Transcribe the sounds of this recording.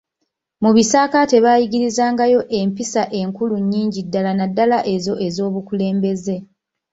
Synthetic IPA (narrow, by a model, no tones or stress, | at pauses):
muβisaːkate̞βaːjiɡiɾizaːŋɡajo̞ʔe̞mpisaʔe̞ŋkuluɲːiːɲɟidːalanadːalaʔe̞zo̞ʔe̞zo̞ːβukule̞ːmbe̞ze̞